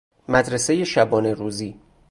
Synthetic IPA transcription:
mæd̪ɾese̞jeʃæbɒːne̞ɾuːziː

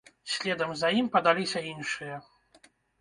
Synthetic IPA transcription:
sʲlʲɛd̪ɐmzɐimpɐd̪alʲisʲɐinʂɨjɐ

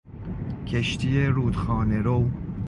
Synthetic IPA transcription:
kʲʰeʃt̪ʰieɾuːd̪xɑːneɾow

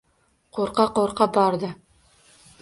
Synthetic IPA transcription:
qoɾqɑqoɾqɑbɒɾd̪ɤ

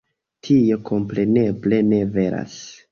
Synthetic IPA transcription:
tʰio̞kʰo̞mpɾe̞ne̞ble̞ne̞ve̞ɾa̰s

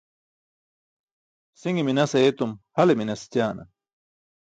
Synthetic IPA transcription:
siŋiminɐseet̪umhɐleminɐst͡ɕaːnɐ̰

